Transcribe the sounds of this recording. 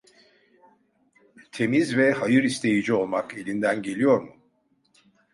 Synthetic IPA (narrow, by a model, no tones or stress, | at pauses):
t̪ʰe̞mizvɛhajɯɾist̪ʰe̞jid͡ʒio̞lˠmake̞lʲind̪ænɟe̞lʲijo̞ɾmu